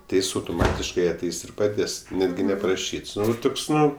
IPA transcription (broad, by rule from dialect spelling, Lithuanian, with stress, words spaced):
tʲɪ ˈjɪs ɐʊtʊˈmɑːtʲɪʃkɐɪ ɐˈtʲɛɪs ɪr pɐˈdʲeːs ˈnʲæːdʲɡʲɪ nʲɛpɐrɐˈʃʲiːts ˈtʊks ˈnʊ